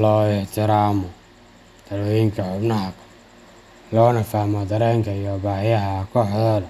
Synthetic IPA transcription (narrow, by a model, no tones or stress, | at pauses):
lɔːɪħt̪ʰɪɾaːmɔ | d̪̥ɐlwɔjɪŋkʰɐħʊbnɐɦɐkʰɐ̥ | lɔːnɐfaːmɔd̪ɐɾɛːŋkʰɐjɔbaːhɪjɐɦɐkʰɔːħðɔːðɐ